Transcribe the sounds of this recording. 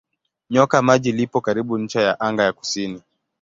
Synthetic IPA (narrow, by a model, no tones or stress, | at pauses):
ɲɔkamaʄilipɔkaɾiɓuɲ̩t͡ʃajaʔaŋɡajaku̥sini